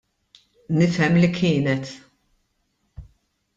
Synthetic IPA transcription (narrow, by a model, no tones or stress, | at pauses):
nɪfɛmlikʰɪːnɛt̪